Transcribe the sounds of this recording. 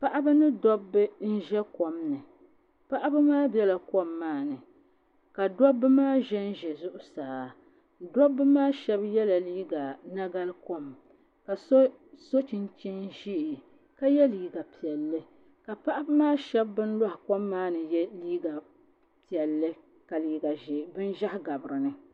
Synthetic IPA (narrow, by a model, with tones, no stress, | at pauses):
pa˦ʔa˦bɨ˦nɨ˦dɔ˦bːɨ˦n̩˦ʒɛ˦ko˨mnɨ˨ | pa˦ʔa˦bɨ˦maː˦bɛ˦la˨ko˦mːaː˦˨nɨ˨ | ka˨dɔ˦bːɨ˦maː˦ʒɛ˦n̩˦ʒɛ˨zʊ˦ʔʊ˨saː˨ | dɔ˦bːɨ˦maː˦ʃɛ˦bjɛ˦la˨liː˦ɡa˨na˦ɡa˦lko˦m | ka˨so˦ | so˦t͡ʃɪ˨nt͡ʃɛ˦nʒi˦ʔɪ˨ | ka˦jɛ˦liː˦ɡa˨pi˨ɛ˨lːɨ˦ | ka˨pa˦ʔa˦bɨ˦maː˦ʃɛ˦bːɨ˦n˦lɔ˦hɪ˨ko˦mːaː˦nɨ˨jɛ˦liː˦ɡa˨ | pi˨ɛ˨lːɨ˦ | ka˨liː˦ɡa˨ʒɛ˨bɨ˦n˦ʒa˦hɡa˨bɨ˨ɾɨ˨nɨ˦